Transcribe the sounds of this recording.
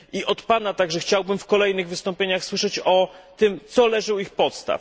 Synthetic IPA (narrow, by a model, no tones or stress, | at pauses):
ʔiʔɔt̪panat̪aɡʐɛxt͡ɕawbɘmfkɔlɛjnɘɣvɘst̪ɔmpʲjeɲaxswɘʂɛt͡ɕɔt̪ɘmt̪sɔlɛʐɘwixpɔt̪st̪a̰f